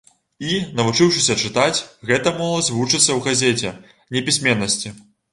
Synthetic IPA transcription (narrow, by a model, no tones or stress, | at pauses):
inɐvut͡ʂɨwʂɨsʲɐt͡ʂɨt̪at͡sʲɣɛt̪ɐmɔlˠɐzʲvut͡ʂɨt̪sːɐwɣazʲɛt͡sʲɛ | nʲɛpʲisʲmʲɛnːɐsʲt͡sʲi